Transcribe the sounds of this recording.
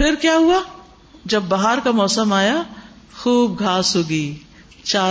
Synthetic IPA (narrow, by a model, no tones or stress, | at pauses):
fɪɾkjaːɦua | d͡ʒɐbːaɦaɾkamɔːsəmaːja | xuːb̚ɡʱaːsɦoːɡiː | t͡ʃaː